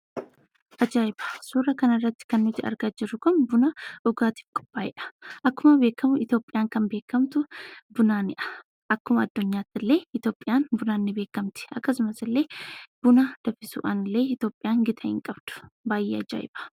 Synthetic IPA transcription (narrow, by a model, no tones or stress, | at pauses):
ʔɐd͡ʒaːɪbɐ̥suːrːɐkɐnɪrːɐt̪ːɪ̥kɐnːʊt̪ɪɐ̰ɾɡaːd͡ʒɪɾʊkʊnbʊnɐʔʊɡaːt̪i̥ːfkʼɔ̥pːaːɪʔɐ̥ʔɐkːʊmɐbe̞ːkːɐmʊɪt̪jo̞ːpʼːɪjaːŋkɐnbe̞ːkːɐmt̪ʊbʊnaːnɪʔɐ̥ | ʔɐkːʊmɐɐd̪ːʊɲːaːt̪ːɪlːe̞ːɪt̪jo̞ːpʼːɪjaːnbʊnaːnːɪbeːkːɐmt̪ɪ̥ɐkːɐsʊmɐsɪlːe̞ːb̥ʊnɐd̪̥ɐfɪsʊ̰ʔɐnɪlːe̞ːɪt̪jo̞ːpʼːɪjaːŋɡɪt̪ʰɐɪ̰ŋkʼɐbd̪̥ʊ̥baːjːeːɐd͡ʒa̰ːɪ̰b̥ɐ̥